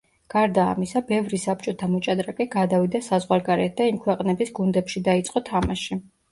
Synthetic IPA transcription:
ɡ̥aɾd̪a̰ːmisabɛvɾisap̚t͡ʃʼɔt̪ʰamɔt͡ʃʼad̪ɾakʼɛɡad̪avid̪asazʁwaɾɡaɾɛt̪̚ʰd̪aimkʰwɛqʼnɛbisɡund̪ɛpʃid̪ait̪sʼqʼɔt̪ʰamaʃi

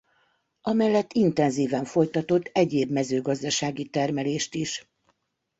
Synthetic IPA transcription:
ɒmɛlːɛt̪ːint̪ɛnziːvɛɱfo̞jt̪ɒt̪o̞t̪ːɛɟeːbmɛzøːɡɒzd̪ɒʃaːɡit̪ɛrmɛleːʃt̪iʃ

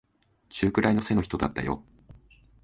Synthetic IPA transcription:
t͡ɕɨːkɯ̟ɾʔaino̞se̞no̞çi̥t̪o̞d̪a̰t̪ːa̰jo̞̰

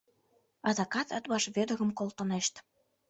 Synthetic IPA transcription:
ɑd̪ɑkɑt̪ə̆t̪βɑʃβed̪ə̆ɣə̆mkolt̪ə̆neʃt̪

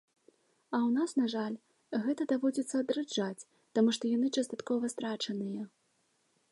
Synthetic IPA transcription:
ɐwnasnaʐalʲ | ɣɛt̪ɐd̪avɔd͡zʲit̪sːɐːd̪ɾɨd͡ʐat͡sʲ | t̪amuʂt̪ɔjanɨt͡ʂɐst̪at̪kɔvɐst̪ɾat͡ʂɐnɨjɐ

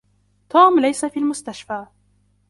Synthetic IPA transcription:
t̪uːmlajsafiːlmʊst̪aʃfaː

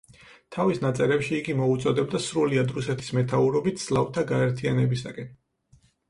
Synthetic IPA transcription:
t̪ʰavisnat̪sʼɛɾɛpʃiːɡimɔut̪sʼɔd̪ɛb̚d̪asɾuliad̪ɾusɛt̪ʰi̥smɛt̪ʰauɾɔbit̪ʰz̥lˠavt̪ʰaɡaɛɾt̪ʰianɛbisakʼɛn

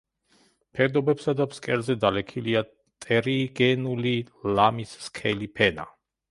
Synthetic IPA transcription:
pʰɛd̪ɔbɛpsad̪apskʼɛɾzɛd̪alɛkʰilia | t̪ʼɛɾiɡɛnuli | lamisːkʰɛlipʰɛna̰

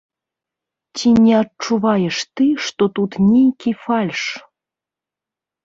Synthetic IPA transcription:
tʲinʲɛɐt͡ʂːuvɑjeʂt̪ɨʂt̪ot̪ut̪nʲejkʲifɑlʲʂ

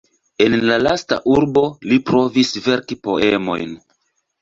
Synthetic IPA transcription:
e̞nlalasta̰ʔuɾbo̞lipɾo̞visve̞ɾkipo̞̰e̞mo̞̰jn

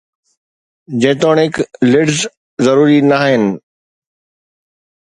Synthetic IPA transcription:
d͡ʑẽːt̪oːɽɪklɪɖz | zɐɾuːɾinaɦɪnɪ̆

